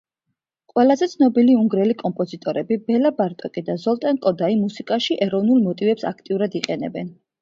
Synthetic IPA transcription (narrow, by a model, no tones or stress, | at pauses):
qʼwɛlˠazɛt̪sʰnɔbiliuŋɡɾɛlikʼɔmpʼɔzit̪ʼɔɾɛbibɛlabaɾt̪ʼɔkʼid̪azɔlˠt̪ʼɛnkʼɔd̪aimusikʼaʃiʔɛɾɔvnulˠmɔt̪ʼivɛpsa̰k̚ʰt̪ʼiuɾad̪iqʼɛnɛ̰bɛn